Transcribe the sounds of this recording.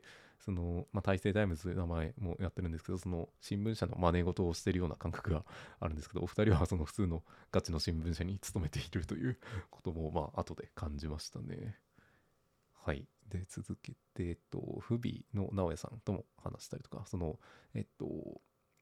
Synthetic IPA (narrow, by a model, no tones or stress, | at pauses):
so̞nomat̪aise̞ːd̪aimɯ̟zɨnamae̞mo̞jat̪ːeɾɯ̟nd̪eske̞d̪o̞sono̞ɕĩmbɯ̃ɰ̃ɕano̞mane̞ɡo̞t̪o̞ːɕi̥t̪e̞ɾɯ̟jo̞ːna̰kãŋkḁkɯ̟ɡaa̰ɾɯ̟nd̪sɨ̥kedo̰ːɸɯ̟̥t̪aɾʲiβaso̞no̞ɸɯ̟̥t͡sɨːno̞ɡ̥at͡ɕino̞ɕĩmbɯ̟̃ɕaɲ̟it͡sɨ̥t̪o̞me̞t̪eiɾɯ̟t̪o̞jɯ̟ːko̥t̪o̞mo̞maat̪o̞d̪e̞kʰãɲ̟d͡ʑimaɕi̥t̪ane̞̰ | haḭd̪e̞t͡sɨzɨke̞t̪e̞ːt̪ːo̞̰ɸɯ̟bʲḭno̞̰nao̞jasã̰nt̪o̞mo̞̰ha̰naɕi̥t̪aɾʲi̥t̪o̞ka̰so̞no̞ḛt̪ːo̞̰